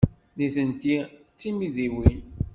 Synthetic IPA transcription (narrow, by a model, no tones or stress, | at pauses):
niθənt̪i | t͡sːimiðiwin